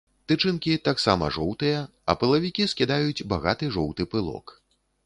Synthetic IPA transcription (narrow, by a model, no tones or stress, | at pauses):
t̪ɨt͡ʂɨnkʲit̪aksamɐ̰ʐɔwt̪ɨjɐ | ɐpɨlˠɐvʲikʲiskʲid̪ajut͡sʲbaɣat̪ɨʐɔwt̪ɨpɨlˠɔ̰k